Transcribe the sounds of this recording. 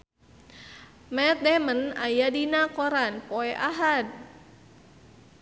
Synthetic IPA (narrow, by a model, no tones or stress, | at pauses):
mɛt̪̚dɛmənajadinakɔɾanpɔɛʔaɦad̚